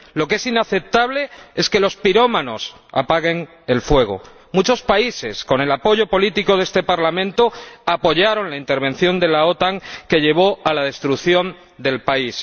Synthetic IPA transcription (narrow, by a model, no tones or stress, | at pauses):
lo̞ke̞sinaθe̞p̚t̪aβ̞le̞e̞ske̞lo̞spiɾomano̞s | a̰paɣe̞ŋ | e̞lfwe̞ɣ̞o̞̰ | mut͡ʃo̞spaise̞sko̞ne̞lapo̞ʝo̞po̞lit̪iko̞ðest̪e̞paɾlamẽnt̪oapo̞ʝaɾo̞nlaint̪e̞ɾβ̞e̞nθjo̞nd̪e̞lao̞t̪aŋke̞ʎe̞β̞o̞alaðe̞st̪ɾukθjo̞n | d̪e̞lpais